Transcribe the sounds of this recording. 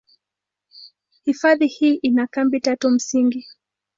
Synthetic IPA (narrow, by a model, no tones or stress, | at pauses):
hifaðihiːʔinakambitatum̩siŋɡi